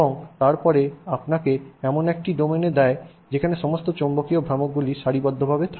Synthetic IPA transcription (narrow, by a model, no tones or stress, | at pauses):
oŋt̪aɾpɔɾeapnakeɛmonɛk̚ʈiɖomened̪ɛe | d͡ʑekʰaneʃɔmost̪ot͡ɕombokiobʱɾamok̚ɡuliʃaɾibɔd̪ʱːobʱabet̪ʰa